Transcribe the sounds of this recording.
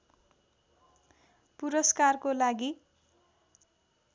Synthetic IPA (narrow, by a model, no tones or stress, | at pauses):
puɾʌskarkolaɡi